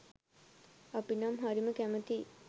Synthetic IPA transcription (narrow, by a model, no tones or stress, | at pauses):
apinamɦaɾiməkæmət̪i